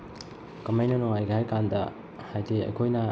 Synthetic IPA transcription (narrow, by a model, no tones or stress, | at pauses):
kɐmajnɐnoŋajɡɐhajkandɐ | hajteɐ̰jkʰojnɐ